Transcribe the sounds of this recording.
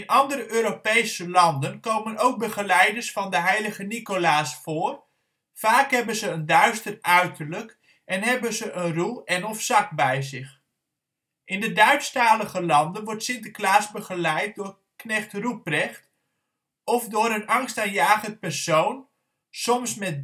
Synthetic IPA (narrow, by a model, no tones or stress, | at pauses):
ɪnʔɑndəɾəʔøːɾopejsəlɑndənkowmənowk̚bəχəlɛjdəɹsfɑndəɦɛjləχənikolaːsfʊːr | faːkɦɛbənzəəndœɥstərœɥtərlək | ʔɛnɦɛbənzəʔənrulˠɛnɔfsɑk̚bɛjzɪχ | ʔɪndədœɥtstaːləχəlɑndənʋɔɹtsɪntəklaːsbəχəlɛjt̚dʊːɹ | knɛχtrup̚rɛχt | ɔfdʊːɾənɑŋstaːnjaːχənt̚pɛrsown | sɔmsmɛt̚